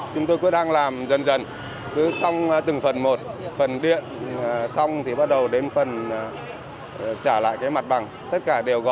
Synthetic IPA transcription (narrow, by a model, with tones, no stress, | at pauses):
t͡ɕʊ˨˦ŋ͡mt̪o˧jkṵ˧˥˦ɗaː˧ŋlaː˨˩mzə˨˧˩nzə˨˩n | kɨ˨˦sa˧wŋ͡mt̪ɨ˨˩ŋfə˨˩nmo˨˩t̚fə˨˩nɗḭ˧˨ənsa˧wŋ͡mt̪ʰi˨˩ɓa˦˥t̚ɗə˨˩wɗe˨˧˦nfə˨˩n˨˩ | t͡ɕaː˧˩la̰ː˧˨jkaː˨˦jma˨˩t̚ɓa˨˩ŋ | t̪ə˦˥t̚kaː˧˩ɗe˨˩əwɣɔ̰˧˨